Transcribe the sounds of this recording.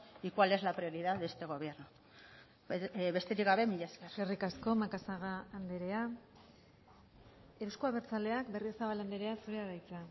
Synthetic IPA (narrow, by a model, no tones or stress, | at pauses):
ikwale̞zlapɾio̞ɾiðaðbe̞st̪e̞ɣo̞βeɾnu | βe̞st̪e̞ɾikɡɡaβe̞miʎeskererikasko̞makasaɣaːnd̪eɾe̞a | euskuaβe̞ɾt͡sale̞akbe̞riosaβaland̪eɾe̞asuɾeaɾajt͡sa